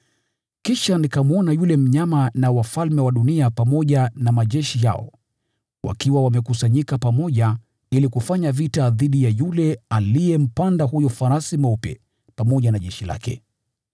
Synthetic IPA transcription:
kiʃanikamuɔnajulɛm̩ɲamanawafalmɛwaɗuniapamɔʄanamaʄɛʃija̰ɔ̰ | wʔa̰kiwawamɛkusaɲikapamɔʄa | ilikufaɲavitaðiɗijajulɛalijɛm̩pandaɦujɔfaɾasimaupɛ̰ | pamɔʄanaʄɛʃila̰kʰɛ̰

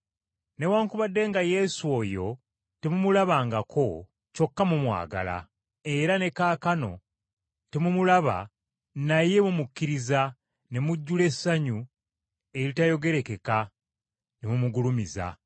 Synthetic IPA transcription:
ne̞waːŋkuβadːe̞ŋɡaje̞suo̞jo̞ | temumulaβaːŋɡakʰo̞ | co̞kːamumwa̰ːɡa̰la̰ | e̞ɾane̞kaːkano̞̰ | temumulaβa̰ | naje̞mumukːiɾiza | ne̞muɟːule̞saɲu | e̞ɾitajo̞ɡe̞ɾe̞ke̞ka | nemumuɡulumiza̰

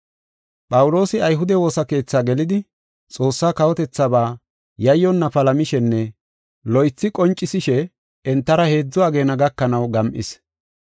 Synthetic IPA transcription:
pʼɐwʊlo̞ːsɪɐjɦʊd̪ɛwo̞ːsɐke̞ːt͡sːaːɡɛlɪd̪ɪ | t͡sʼo̞ːsːaːkɐwɔt̪ɛt͡sːɐbaː | jɐjːɔnːɐpɐlɐmɪʃɛnːɛ | lɔjt͡sːɪkʼɔnt͡ʃʼːɪsɪʃɛ | ɛnt̪ːɐɾɐhe̞ːd͡zːʊaːɡe̞ːnɐɡɐkːɐnɐwɡɐmʔɪ̰s

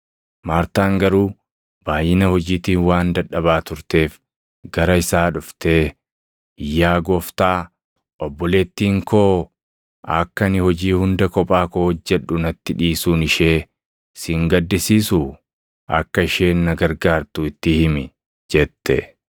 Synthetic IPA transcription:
maːɾt̪aːŋɡɐɾuː | b̥aːjːɪnɐhɔd͡ʒiːt̪iːnwaːnd̪ɐᶑːɐβaːt̪ʊɾt̪e̞ːf | ɡɐɾɐɪsaːᶑʊft̪e̞ː | ɪjːaːɡɔːft̪aː | ʔɔbːɔle̞ːt̪ːiːŋkoː | ɐkːɐnɪhɔd͡ʒiːhʊnd̪ɐkɔpʼaːkoːhɔd͡ʒːɛᶑːʊnɐt̪ːɪᶑiːsuːnɪʃeː | sɪŋɡɐd̪ːɪsiːsʊ | ɐ̰kːɐɪʃeːnːɐɡɐɾɡaːɾt̪ʊɪt̪ːɪhɪmɪ | d͡ʒɛt̪ːɛ̰

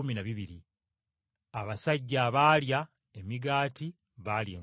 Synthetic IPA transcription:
uminaβiβiɾi | aβasaɟːaːβaːlja | e̞miɡaːti | βaljḛː

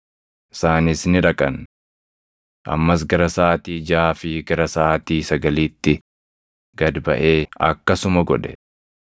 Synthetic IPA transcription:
ʔɪ̥saːnɪsnɪᶑɐkʼɐn | ʔɐ̰mːɐs̬ɡɐɾɐsaːt̪iːd͡ʒaːfɪɡɐɾɐsaːt̪iːsɐɡɐliːt̪ːɪ | ɡ̥ɐd̪bɐʔe̞ːɐ̰kːɐsʊmɐɡɔᶑɛ̥̰

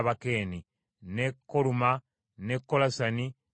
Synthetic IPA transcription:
βakeːni | nekːoluma | nekːolasani

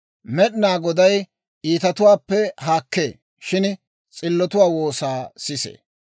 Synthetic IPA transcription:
mɛɗɪnaːɡɔd̪ɐj | iːt̪ɐt̪ʊwaːpːɛɦaːkːḛː | ʃɪn | t͡sʼɪlːɔt̪ʊwaːwo̞ːsaːsɪsḛː

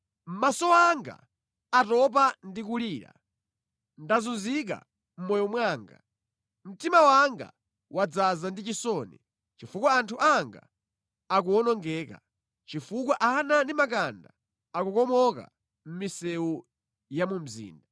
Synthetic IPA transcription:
m̩masɔaŋɡa̰ | atɔp̬andikuliːɾa̰ | ndazunzik̬a̰ | m̩mɔjɔmwaːŋɡa̰ | m̩timawaŋɡa̰ | wad͡zazandit͡ʃisɔːnḭ | t͡ʃifukwaantʰuʔaŋɡa̰ | ak̬uɔnɔŋɡɛːka̰ | t͡ʃifuk̬waʔanandimak̬anda̰ | akukɔmɔka̰ | m̩misɛu | jamum̩zḭːnda

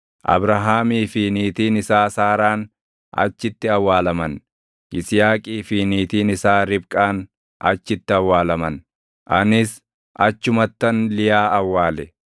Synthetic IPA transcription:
ʔɐ̰bɾɐɦaːmiːfiːniːt̪iːnɪsaːsaːɾaːn | ɐ̰t͡ʃːɪt̪ːɪɐwːaːlɐmɐn | ʔɪsjaːkʼiːfiːniːt̪iːnɪsaːɾɪbkʼaːn | ʔɐ̰t͡ʃːɪt̪ːɪɐwːaːlɐmɐn | ʔɐnɪs | ʔɐt͡ʃːʊmɐt̪ːɐnlɪjaːʔɐwːaːlɛ

